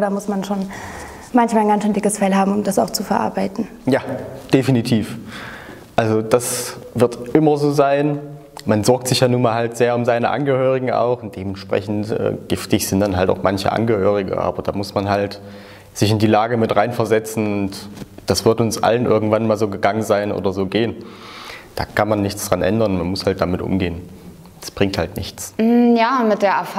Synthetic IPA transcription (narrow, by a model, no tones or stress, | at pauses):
daːmʊsmanʃoːn | mançmaːlnɡansʃøːndɪkəsfɛlhaːbm̩ʊmdasaʊxt͡sufɛɐʔa̰ɐbaɪtn̩ | jaːd̥efinitʰiːf | ʔalzod̥asvɪɐtʔɪmɐzoːzaɪn | manzɔɐk̚tz̥ɪçjaːnuːnmaːlhaltz̥eːɐʊmzaɪnəʔa̰nɡəhøːʁ̞ɪɡŋ̩a̰ʊxʊnt̚d̥eːmɛntʃpʁ̥ɛ̰çn̩tʔɛ̰ːɡ̥ɪftɪçz̥ɪntd̥anɦalta̰ʊxmançə̰ʔa̰nɡəhøːʁ̞ɪɡə̰ʔa̰ːbɐd̥aːmʊsmanɦalt | z̥ɪçɪndiːlaːɡəmɪtʁaɪnfɛɐzɛt͡sn̩ʊntd̥asv̥ɪɐtʊnsʔa̰lənʔɪ̰ɐɡŋ̩tv̥anmaːlzoːɡəɡaŋənzaɪnʔo̰ːdɐzoːɡeːən | d̥a̰ːkʰanmanːɪçt͡sd̥ʁanʔɛ̰ndɐnmanmʊshalt̚d̥amɪtʔʊ̰mɡeːən | d̥ḁsb̥ʁɪŋthaltnɪçt͡s̩jaːmɪt̚d̥eːɐʔɛɐf